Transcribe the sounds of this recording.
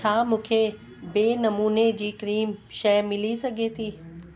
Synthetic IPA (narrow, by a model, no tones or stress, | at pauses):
aːmũːkʰe | beːnɐmuːned͡ʑiːkɾiːmʃɐjmɪlisɐɡʱet̪ʰiː